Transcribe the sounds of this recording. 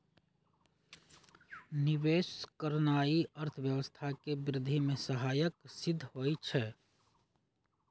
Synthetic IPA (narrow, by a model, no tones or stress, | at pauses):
niʋeskəɾnaiəɾt̪ʰəbjəwəst̪ʰakebɾɪd̪ʱimesəɦaːjəksɪd̪ʱːɦojt͡ʃʰɛ